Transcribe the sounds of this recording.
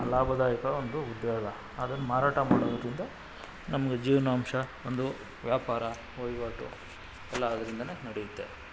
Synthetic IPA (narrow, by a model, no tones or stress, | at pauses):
laːbʱɐd̪aːjɐkɐond̪uud̪jaːɡɐ | aːd̪ɐnːumaːɾaːʈɐma̰ːɽod̪ɐd̪ɾind̪ɐ | nɐmɐɡed͡ʒiːʋɐnaːmʂɐond̪u | ʋjaːpaːɾɐ | ʋɐjʋaːʈu | ɛlːɐːd̪ɐɾind̪ɐnenɐɽejut̪ːe̞